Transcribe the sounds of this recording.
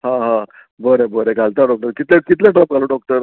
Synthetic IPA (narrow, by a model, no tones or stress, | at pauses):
ɦãɦã | bəɾebəɾeɡʱalt̪aɖɔk̚ʈəɾkit̪lekit̪leʈɾɔp̚ɡʱaloɖɔk̚ʈəɾ